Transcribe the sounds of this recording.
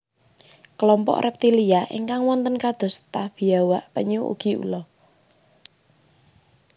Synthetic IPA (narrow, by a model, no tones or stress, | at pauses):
kəlɔmpɔ̰ʔrʔɛp̚t̪iliaʔḭŋkaŋwɔnt̪ənkad̪̥ɔ̤st̪ahb̥i̤awaʔpəɲuṵɡ̥i̤ṵlɔ